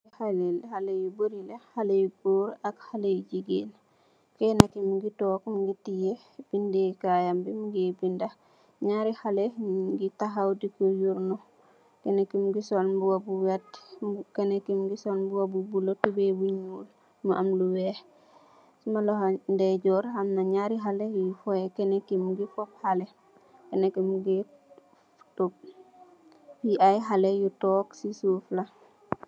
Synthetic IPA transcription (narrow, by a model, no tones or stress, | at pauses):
ihalelhalejuboɾilehalejubuːɾakhalejd͡ʒiɡḭl | kɛnakimɡitɔːkmɡitije | b̥indekajambimuɡibinda | ɲaːɾihaleɡitaɦawdikojuɾnu | kenekimɡisolbuwabuwɛtkenekimɡisolbuwabubulotubebuɲuːl | muʔɐmluwɛːh | sumalɔɦandɛɟɔːɾhɐmnaɲaɾiɦalejufɔekɛnekimɡifɔp̚hale | kenekimɡi | tup̚ | piʔajɦalejutɔːksisuːfla